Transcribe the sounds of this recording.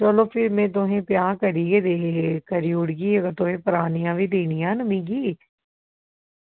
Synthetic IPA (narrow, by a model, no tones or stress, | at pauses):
t͡ʃəloːpʰɪɾmẽːt̪̬oɦẽːpjãːkəɾiːɡeːd̪eːkəɾiːʊɽɡiːəɡəɾt̪oɦẽːpəɾaːnijãːʋiːd̪eːnijãːnəmĩːɡiː